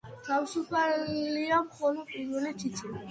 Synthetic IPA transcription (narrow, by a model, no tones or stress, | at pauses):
t̪ʰavsupʰaliamχɔlɔpʼiɾvɛlit͡ʃʰit͡ʃʰʼii